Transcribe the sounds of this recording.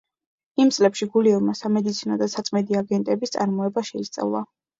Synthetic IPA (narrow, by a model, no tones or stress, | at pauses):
imt̪sʼlɛpʃiɡuliuɾmasamɛd̪it̪sʰinɔd̪asat̪sʼmɛd̪iaɡɛnt̪ʼɛbist̪sʼaɾmɔɛbaʃɛist̪sʼa̰vlˠa̰